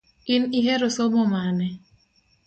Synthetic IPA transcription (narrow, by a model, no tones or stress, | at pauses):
ɪnɪɦɛɾʊsɔmɔmanɛ